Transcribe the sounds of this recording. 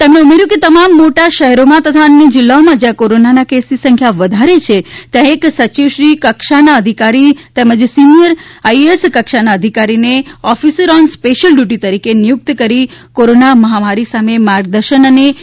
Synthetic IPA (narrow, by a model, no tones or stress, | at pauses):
t̪emneumeɾjũket̪əmamːoʈaʃəɦɛɾomãt̪ət̪ʰaənːid͡ʒɪlːaomãd͡ʒjãkoɾonanakesisə̃ŋkʰjaʋəd̪ʱaɾet͡ʃʰet̪jãeksət͡ʃiʋʃɾikəkʃanaəd̪ʱikaɾit̪eməd͡ʒsinijəɾaieskəkʃanaəd̪ʱikaɾineɔfisəɾɔnspeʃəlɖjuʈ̬it̪əɾikenijʊk̚t̪kəɾikoɾonaməɦamaɾisamemaɾɡd̪əɾʃənəne